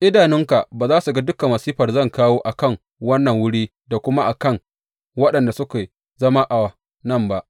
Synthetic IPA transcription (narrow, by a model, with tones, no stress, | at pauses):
ʔɪ˦daː˨nɪ˦ŋka˨ʔbaː˨zaː˦su˨ɡa˦dʊ˦ka˨mɐ˨siː˦ɸɐ˨rzɐ˦˨ŋkaː˦woː˦ʔa˨kɐ˦˨ŋ | wɐ˦nːɐ˨ŋwʊ˦ɽiː˦ | da˨kʷʊ˦ma˦ʔa˨kɐ˦˨ŋ | wɐ˦ɗɐ˨nda˨sʊ˦keː˨ | zɐ˦ma˦ʔa˨wa˨ | nɐ˦˨mba˦ʔ